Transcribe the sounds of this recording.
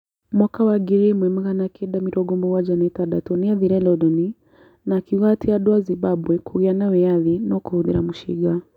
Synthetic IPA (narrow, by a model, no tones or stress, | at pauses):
mwakawaɡiɾimwɛm̩ɣanakʰɛɗamiɾʔɔɡɔmbɔwad͡ʒanɛtaɗatɔniaðiɾɛlɔɗɔni | nakiwatʰiaɗɔazibaɓwɛkuɣianawɛjaðinɔkuhuðḭɾamuʃḭɡa